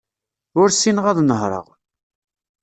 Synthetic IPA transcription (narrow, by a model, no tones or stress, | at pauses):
ʊɾsinʁɑðˤnəɦɾˤə̰ʁ